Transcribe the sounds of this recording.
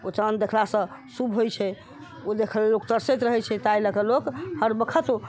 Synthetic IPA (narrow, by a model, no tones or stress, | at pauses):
ot͡ʃənd̪ekʰlasə̃subʱɦojt͡ʃʰɛ | od̪ekʰəllok̚t̪əɾset̪ɾəɦɛt͡ʃʰɛt̪ajləkəlokhəɾbəkʰət̪o